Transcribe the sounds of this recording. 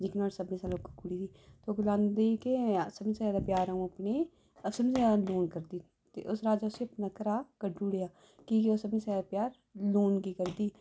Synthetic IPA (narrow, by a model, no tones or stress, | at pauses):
d͡ʒɪkɪnaːɽsəbnĩːsaːlokkʊɽiːd̪iːt̪ooːɡlãːnd̪iːkesəbnĩːsəaːd̪aːpjaːɾaũːəpneː | əsəbnĩːsaloːnkəɾd̪iː | t̪ḛːʔʊsɾaːd͡ʒaːʊseəpnakəɾaːkəɖːuːɽeːaː | kiːkeoːsəbĩːsad̪aːpjaːɾ | loːnkiːkəɾd̪iː